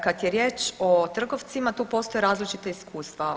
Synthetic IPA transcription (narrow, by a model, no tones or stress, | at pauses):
kat̪jeɾje̞ːt͡ʃot̪r̩ɡo̞ʋt̪simat̪uːpo̞st̪o̞jeɾaːzlit͡ʃit̪aiskuːst̪ʋa